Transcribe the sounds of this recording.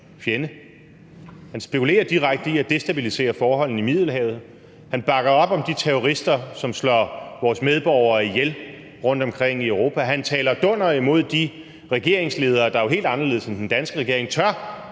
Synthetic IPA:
fjenə | hænsb̥e̝kʰule̝̰ːɐd̥iʁaɡ̥̚d̥əiæd̥e̝sd̥æb̥ilise̝̰ːɐfɒːhɒ̽l̰n̩imið̰ˠl̩ɦɛ̰ːʊð̞̩ˠ | hænb̥ɑ̈ɡ̥ɐɒ̽b̥ɒ̽md̥it͡sʰeɔʁisd̥ɐsɒ̽mslɒʋɒːsmeð̞ˠb̥ɒʊ̰ɐːijel | ʁɔ̽n̰d̥ɒ̽mkʰʁeŋ̰iœʊʁo̝ːpʰæɦænt͡sʰɛːlɐd̥ɔ̽n̰ɐimo̝ð̞̰ˠd̥i | ʁɛɡ̥e̝ɐ̰e̝ŋsle̝ːð̞ˠɐːd̥ɑ̈oɦe̝̰ːld̥ɑ̈nɐle̝ð̰ˠsend̥end̥ænsɡ̥əʁɛɡ̥e̝ɐe̝ŋt͡sʰɶɐ

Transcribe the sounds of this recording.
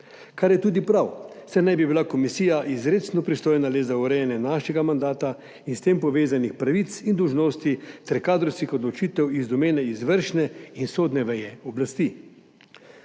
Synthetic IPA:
kaɾjɛt̪uːd̪ipɾawsɛnajbibilakɔmisiːjaʔizɾeːt̪snɔpɾist̪oːjnalezauɾɛjɛnjɛnaːʃɛɡamand̪aːt̪a | inst̪empɔʋeːzanixpɾaʋit̪sind̪ɔwʒnoːst̪it̪ɛɾkaːd̪ɾɔwskixɔd̪lɔt͡ʃiːt̪ɛwizd̪ɔmeːnɛizʋəɾʃnɛinsoːd̪nɛʋɛjɛɔblast̪i

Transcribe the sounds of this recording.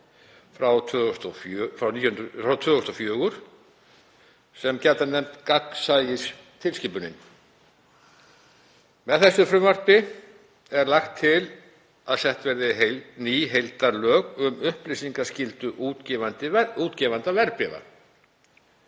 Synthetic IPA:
fɾaw̪ʰst̪ɔfœfɾawniːjʊhʏnfɾawt̪ʰœːðɔst̪ɔfjœːɣʏɾ̥ | sɛmcɛɾt̪anɛmt̪kaksajɪst̪ʰɪlscɪpʏnɪ̰n | mɛðθɛsːʏfɾʏmvar̥pɪ | ɛɾlaxt̪ʰːɪl | aðsɛht̪vɛɾðɪɦeniːɦejlt̪aɾlœːɣʏmʏhplisiŋkascɪlt̪ʏʔucɛvant̪ɪuːt̪cɛvant̪avɛɾpɪva̰

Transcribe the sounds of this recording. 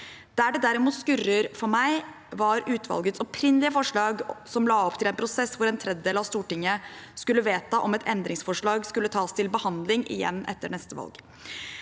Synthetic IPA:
d̪̥æɖɛd̪æɾɪmuːt̪skʉrəɾfɔɾmæɪ | ʋɑɾʉːt̪ʰʋɑ̰lɡət̪sɔpʰɾɪnlɪəfɔʂɭɑːɡsɔmlɑːɔpt̪ʰɪlɛnpʰɾʊsɛsːʋʊɾɛnt̪ʰɾɛd̪əd̪eːlɑʋst̪uːʈɪŋːəskʉlːəʋeːt̪ɑʔɔmɛt̪ʰɛnd̪ɾɪŋsfɔʂɭɑːɡskʉlːət̪ʰɑːst̪ʰɪlbəhɑnd̪lɪŋʔɪ̰jɛ̰nːʔɛ̰t̪ːəɳɛst̪əʋɑ̰lɡ

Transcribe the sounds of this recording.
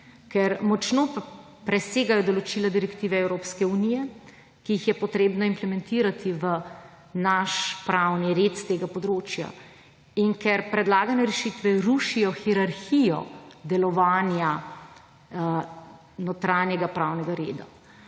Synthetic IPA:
kɛɾmɔt͡ʃnoːp | pɾɛseːɡajɔd̪ɔlɔt͡ʃilad̪iɾɛkt̪iːʋɛɛwɾoːpskɛunijɛ | kiixjɛpɔt̪ɾeːbnɔimplɛmɛnt̪iɾat̪iʋə | naʃpɾawniɾet̪st̪eːɡapɔd̪ɾoːt͡ʃja̰ | iŋkɛɾpɾɛd̪laːɡanɛɾɛʃit̪ʋɛɾuʃijɔxiɾaɾxijɔ̰d̪ɛlɔʋaːnja | not̪ɾaːnjɛɡapɾaːwnɛɡaɾeːd̪a̰

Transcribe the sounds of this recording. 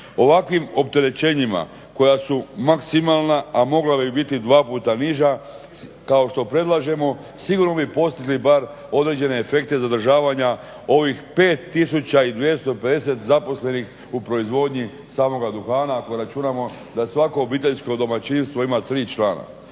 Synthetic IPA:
o̞ʋakʋimo̞p̚t̪e̞ɾe̞t͡ɕe̞ɲima̰ | ko̞jasumaksimaːlˠnaamo̞ɡlabibit̪id̪ʋaːpuːt̪aniʒa | kao̞ʃt̪o̞pɾe̞d̪lˠaʒe̞mo̞ | siɡuɾno̞bipo̞st̪iɡlibaɾ | o̞d̪ɾed͡ʑe̞ne̞ːfe̞k̚t̪e̞zad̪r̩ʒaːʋaɲa | o̞ʋixpe̞ːt̪ːisut͡ɕaid̪ʋje̞st̪o̞pe̞d̪e̞se̞t̪zapo̞sle̞nix | upɾo̞izʋo̞d̪ɲi | saːmo̞ɡad̪uxaːnaːko̞ɾat͡ʃunamo̞ | d̪asʋako̞ːbiːt̪̬e̞ʎsko̞d̪o̞mat͡ʃinst̪ʋo̞imat̪ɾiːt͡ʃlaːna̰

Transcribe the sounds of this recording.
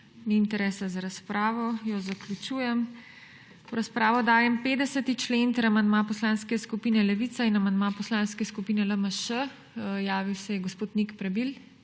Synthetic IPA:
niːnt̪ɛɾɛːsazaɾaspɾaːʋɔjɔzaklʲut͡ʃuːjɛm | wɾaspɾaːʋɔd̪aːjɛmpeːd̪ɛsət̪it͡ʃleːnt̪əɾamand̪mapɔslaːnskɛskupiːnɛlɛʋiːt̪sainamand̪mapɔslaːnskɛskupiːnɛləməʃə | jaːʋiwsɛjɛɡospoːt̪nikpɾɛbil

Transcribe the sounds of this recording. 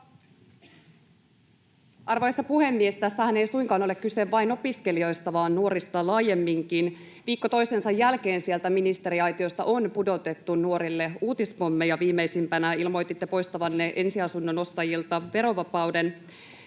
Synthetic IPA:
ʔɑrʋojɑst̪ɑpuhe̞mːiest̪æsːæhæne̞jsujŋkɑːno̞le̞kkːyseʋʋɑjno̞piske̞lio̞jst̪ɑʋɑːnːuo̞ɾist̪ɑlɑːje̞mːiŋkin | ʋiːkːo̞t̪o̞jse̞nsɑjːælke̞ːnsie̞lt̪æminist̪e̞ɾiɑjt̪io̞st̪ɑʔo̞npudo̞t̪e̞t̪ːunuo̞ɾilːe̞uːt̪ispomːejɑʋiːmːejsimpænæilmo̞jt̪it̪ːe̞po̞jst̪ɑʋɑnːe̞ʔe̞nsiɑsunːo̞no̞st̪ɑjilt̪ɑʋe̞ɾo̞ʋɑpɑwde̞n

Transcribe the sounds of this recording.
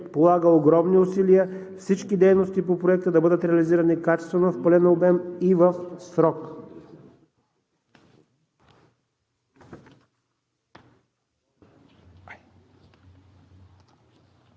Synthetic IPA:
polˠaɡəoɡɾɔmniʊsiliəfsit͡ʃkid̪ɛjnost̪ipopɾoɛk̚t̪əd̪ɐbɤd̪ət̪ɾɛɐliziɾənikat͡ʃɛst̪vənfpəlɛnobɛmivəfsɾɔk

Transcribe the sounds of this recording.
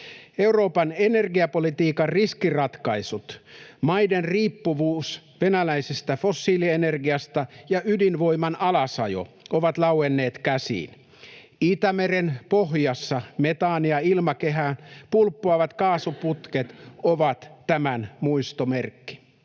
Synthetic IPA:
e̞uro̞ːpɑnene̞rɡiɑpo̞lit̪iːkɑrriskirɑt̪kɑisut̪mɑjdenriːpːuʋuːs | ʋenælæisest̪æfosːiːliene̞rɡiɑst̪ɑjɑʔydinʋo̞imɑnɑlɑsɑ̰jo̰ʔoʋɑt̪lɑwenːe̞ːt̪kæsḭːn | it̪æmeɾenpo̞ɦjɑsːɑmet̪ɑːniɑilmɑke̞ɦæːnpulpːoɑʋɑt̪kɑːsuput̪ket̪oʋɑt̪ːæmænmuist̪omerkːi̥

